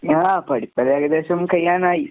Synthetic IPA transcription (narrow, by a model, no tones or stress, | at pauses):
aːpɐɽip̪ːɐd̪eːɡɐd̪eːʃɐmkɐjːaːnaːji